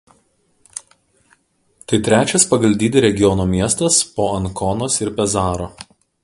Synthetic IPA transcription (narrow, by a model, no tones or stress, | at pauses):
t̪ɐɪt̪ʲɾʲæːt͡ʃʲɛspɐɡɐlʲd̪ʲiːd̪ʲɪɾʲɛɡʲɪjɔnoːmʲiɛst̪ɐspoːɐnkɔnoːsɪɾpʲɛzɑːɾoː